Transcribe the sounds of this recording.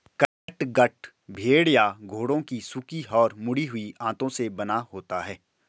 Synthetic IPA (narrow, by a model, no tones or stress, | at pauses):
kə | ʈɡɐʈ | bʱeːɽjaɡʱoːɽõkisʊkiɔːɾmʊɽiɦʊiãːt̪õsebɐnaɦoːt̪aɦɛː